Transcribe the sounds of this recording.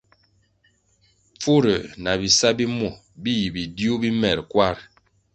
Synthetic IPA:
p͡fu˦ɾə˨na˨bi˨sa˦bi˦mɔ˨ | bi˦ji˨bi˨di˦u˦bi˦mɛ˨ɾkwa˦˨ɾ

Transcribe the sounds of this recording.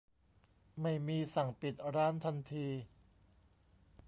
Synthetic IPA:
ma˥˩jmiː˧sa˨˩ŋpi˨˩t̪̚ɾaː˦˥nt̪ʰa˧nt̪ʰiː˧

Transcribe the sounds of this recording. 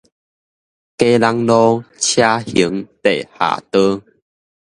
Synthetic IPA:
ke˦la˧ŋlɔ˦t͡ɕʰja˦hi˨˦ŋt̪e˨˩˨ha̰˨˩t̪ə˦

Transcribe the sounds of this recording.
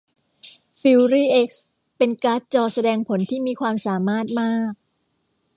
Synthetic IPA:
fi˧wɾiː˥˩ʔe˦˥k̚s | pe˧nkaː˦˥t̪̚t͡ɕɔː˧sa˧dɛː˧ŋpʰo˩˦nt̪ʰiː˥˩miː˧kʰwaː˧msaː˩˦maː˥˩t̪̚maː˥˩k̚

